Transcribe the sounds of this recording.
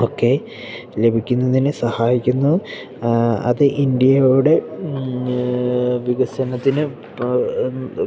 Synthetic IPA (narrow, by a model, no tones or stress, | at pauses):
oːkːe̞ | le̞bʱikʲːunːɐðinɨsɐhaːjikʲːunːu | ɐ̰ðɨʔind̪jɐjoɽe̞ | ʋiɡɐsɐnɐt̪ːinɨ